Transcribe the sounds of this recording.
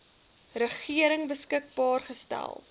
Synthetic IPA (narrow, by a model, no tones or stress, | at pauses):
rəχiəɾəŋbəskək̚bɑːrχəstæ̰lˠ